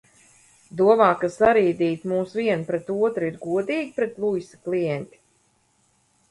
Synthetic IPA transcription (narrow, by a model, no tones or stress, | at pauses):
d̪uɔvɑːkasaɾiːd̪iːt̪muːsviɛnpɾɛt̪uɔt̪ɾiɾɡuɔd̪iːɡʲipɾɛt̪lˠujsi̥klˠijɛnʲt̪ʲi̥